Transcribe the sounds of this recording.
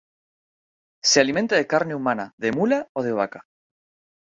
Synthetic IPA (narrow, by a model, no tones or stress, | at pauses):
sealiment̪aðe̞kaɾneumanaðe̞mulaoð̞e̞β̞aka